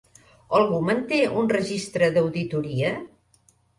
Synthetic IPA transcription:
əlˠɣumənt̪eʔunrəʒist̪ɾəðəwðit̪uɾiə

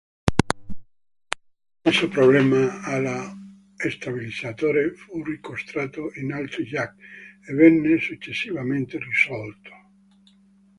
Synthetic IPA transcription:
asopɾoblɛːmaala | est̪abilid̪zat̪oːɾefurikost̪ɾaːt̪oʔinalt̪ɾid͡ʒakevɛnːesut͡ʃːesːivament̪erisɔlt̪ʰo̥

